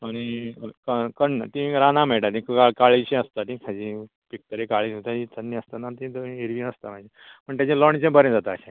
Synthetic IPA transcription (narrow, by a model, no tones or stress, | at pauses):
añikəkənt̪ĩɾanamɛ̃ʈat̪ĩkaɭkaɭiɕẽəst̪at̪ĩkʰad͡ʑĩ | pik̚t̪əɾekaɭinot̪aĩt̪ʰənːiəst̪anat̪ĩt̪ĩeɾʋĩəst̪amad͡ʑĩ | pəɳt̪jad͡ʑĩlɔɳ̃t͡ɕẽbəɾẽd͡zat̪aːɕẽ